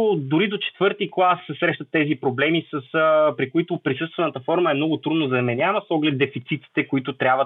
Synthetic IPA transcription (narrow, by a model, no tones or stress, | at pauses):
d̪ʊɾid̪ot͡ʃɛ̥t̪vɤɾt̪iklˠasːɛsɾɛʃt̪ət̪ːɛzipɾoblɛmisəspɾikʊit̪ʊpɾisɤst̪vɛnət̪əfɔɾməɛmnɔɡʊt̪ɾud̪nozɐmɛnʲavəsɔɡlɛt̪̚d̪ɛfit̪sit̪i̥t̪ɛkʊit̪ʊt̪ɾʲabvə